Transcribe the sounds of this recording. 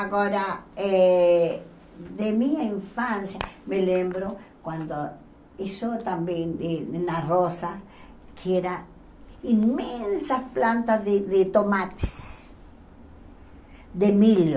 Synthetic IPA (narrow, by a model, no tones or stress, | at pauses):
aɣoɾae | ðemiaiɱfansjamelembɾokwand̪o | isot̪ambjenenarosa | kʰeeɾa | inmensasplant̪azðeðet̪omat̪e̥s | d̪emiljo